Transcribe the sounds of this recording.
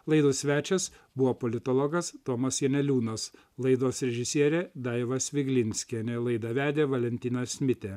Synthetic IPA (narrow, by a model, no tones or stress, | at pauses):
lˠɐɪd̪uːsʲʋʲæːt͡ʃʲɛs | bʊʋoːpɔlʲɪt̪olˠɔɡɐst̪oːmɐsjɛnʲɛlʲuːnɐs | lˠɐɪd̪oːsɾʲɛʒʲɪsʲiɛɾʲeːd̪ɑɪʋɐsʋʲɪɡlʲɪnʲsʲkʲɛnʲelˠɐɪd̪ɐʋʲæːd̪ʲeːʋɐlʲɛnʲt̪ʲɪnʲɐssʲmʲɪt̪ʲeː